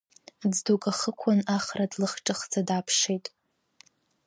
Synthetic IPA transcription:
d͡zdokʼaχəkʷʰanaχradlɨχʈ͡ʂʼɨχd͡zadapʰʂejtʼ

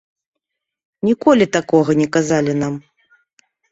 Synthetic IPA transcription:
nʲikɔlʲit̪akɔɣɐnʲɛkazalʲinam

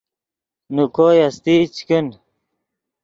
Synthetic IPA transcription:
nukoːjɐst̪it͡ɕkin

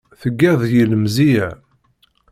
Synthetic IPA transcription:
θəɡːæðˤjələmziʕ

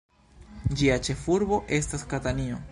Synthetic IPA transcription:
d͡ʒiat͡ʃe̞fuɾbo̞ʔe̞staskatanio̞

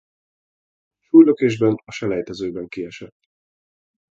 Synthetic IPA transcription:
ʃuːjløkeːʒbɛnɒʃɛlɛjt̪ɛzøːbɛŋkiɛʃɛt̪ː

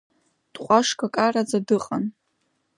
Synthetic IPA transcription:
d̥qʷʼaʂkʰʼakʼarad͡zadɨqʼan

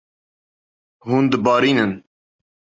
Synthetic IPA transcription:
huːnd̪əbɑːɾiːnən

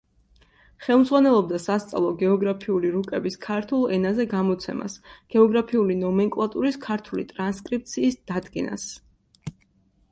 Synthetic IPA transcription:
χɛlˠmd̪zʁwanɛlˠɔb̚d̪asast̪sʼa̰lˠɔɡɛɔɡɾapʰiuliɾukʼɛbiskʰaɾt̪ʰulˠɛnazɛɡamɔt̪sʰɛma̰sɡ̥ɛɔɡɾapʰiulinɔmɛŋkʼlˠat̪ʼuɾiskʰaɾt̪ʰulḭt̪ʼɾanskʼɾip̚t̪sʰiːsd̪̥ad̪ɡɛna̰s

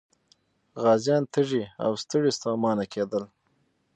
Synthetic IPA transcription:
ɣɑːzjɑːnt̪ʰəʐia̰wst̪əɽist̪ɑːmɑːnakʰed̪əl

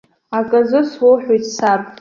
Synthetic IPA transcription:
akʼazɨswowħʷᶣejtʰʼsar

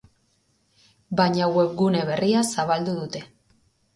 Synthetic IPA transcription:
baɲawe̞pɡune̞β̞e̞riasaβald̪uðut̪e̞

